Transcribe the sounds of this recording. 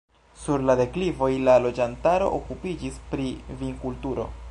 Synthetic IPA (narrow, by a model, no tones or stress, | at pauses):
suɾlade̞klivo̞jlalo̞d͡ʒantaɾo̞̰ʔokupid͡ʒispɾiviŋkultuɾo̞̰